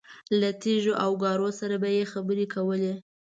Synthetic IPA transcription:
lat̪eʒoʔawɡɑɾosaɾabajexabəɾekʰawəle

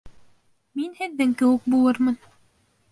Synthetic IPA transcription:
minhɘ̆ðːɘŋkɘ̆wɘk̚bulˠɤɾmɤn

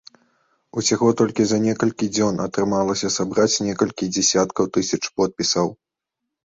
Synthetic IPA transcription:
usʲaɣɔt̪ɔlʲkʲizɐnʲɛkɐlʲkʲid͡zʲɔnɐ̰t̪ɾɨmalˠɐsʲɐsabɾat͡sʲnʲɛkɐlʲkʲid͡zʲɛsʲat̪kɐwt̪ɨsʲɐt͡ʂpɔt̪̚pʲisɐw

